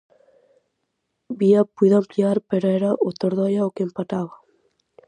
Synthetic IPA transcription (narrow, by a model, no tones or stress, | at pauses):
biapuðoampliaɾpeɾoeɾaʔot̪oɾðojaokeempat̪aβa